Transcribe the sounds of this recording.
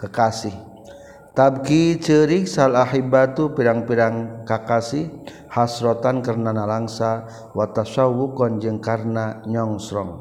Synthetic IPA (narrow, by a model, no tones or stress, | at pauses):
kəkasih | t̪ab̚kit͡ʃəɾik̚salahibat̪upiɾaŋpiɾaŋkakasih | hasɾɔt̪ankarnanalaŋsa | wat̪asawukɔnd͡ʒɨŋkarnaɲɔŋsɾɔŋ